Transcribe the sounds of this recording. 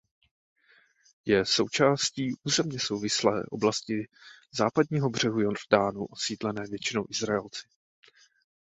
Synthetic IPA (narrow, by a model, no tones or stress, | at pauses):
jɛso̞wt͡ʃaːsciːʔuːzɛmɲɛso̞wvɪslɛ̰ːʔo̞̰blascɪzaːpad̚ɲiːɦo̞br̝̥ɛɦujoɾdaːnṵʔosviːd̪lɛnɛːvjɛt͡ʃɪno̞wʔɪzɾaɛlt͡sɪ̥